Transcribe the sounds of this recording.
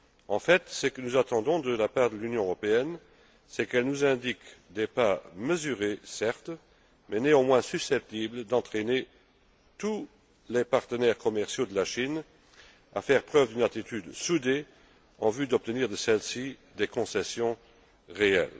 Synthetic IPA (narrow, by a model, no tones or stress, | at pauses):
ɑ̃fɛt̪səkənuzat̪ɑ̃d̪ɔ̃d̪əlapaːʁd̪əlynjɔ̃øʁɔpeɛn | sɛkɛlnuzɛ̃d̪ikd̪epaməzyʁesɛʁt̪ | mɛneɑ̃mwɛ̃sysɛp̚t̪ibld̪ɑ̃t̪χene | t̪u | lɛpaʁt̪ənɛʁkɔmɛʁsjod̪əlaʃin | a̰fɛʁpχœvd̪ynat̪it̪yd̪sud̪e | ɑ̃vyd̪ɔp̚t̪əniʁd̪əsɛlsid̪ekɔ̃sɛsjɔ̃ | ʁeɛ̰l